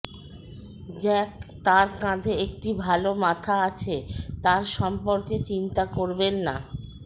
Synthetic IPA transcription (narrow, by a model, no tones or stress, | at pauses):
d͡ʑɛkt̪aɾkãd̪ʱeekʈibʱalomat̪ʰaat͡ɕʰet̪aɾʃɔmpoɾket͡ɕint̪akoɾbenːa̰